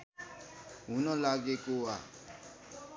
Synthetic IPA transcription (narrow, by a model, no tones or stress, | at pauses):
ɦunɔ̃ːlaːɡekoa̰ː